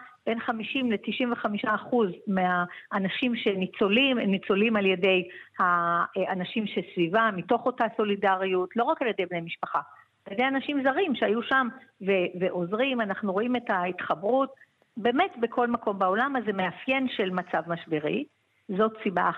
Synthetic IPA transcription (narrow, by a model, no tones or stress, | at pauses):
be̞nχamiʃimle̞tiʃimveχamiʃaːχuzmeaːnaʃimʃenit͡so̞limemnit͡so̞limalje̞de̞jhaanaʃimʃesvivamito̞χo̞taso̞lidaʁijutlo̞ʁakaljede̞jbne̞jmiʃpaχa | aljedejanaʃimzaʁimʃeajuʃamveveʔo̞zʁimanaχnuʁo̞ime̞taitχabʁut̚ | be̞me̞tbe̞kʰo̞lmako̞mbao̞lamazemeafje̞nʃe̞lmat͡savmaʃbeʁi | zo̞tsiba